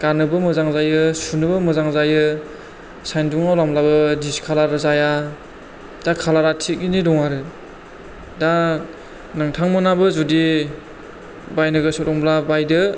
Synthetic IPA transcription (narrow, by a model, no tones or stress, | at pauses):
ɡ̥anɯbɯmɯzaŋzajɯsunɯbɯmɯzaŋzajɯ | sajnduŋawlamlabɯdiskʰalaɾazaja | d̥akʰalaɾatʰik̚inidɔŋaɾɯ | da | nɯŋtʰaŋmɯnabɯzudi | bajnɯɡɯsɔɾɔŋblabajdɯ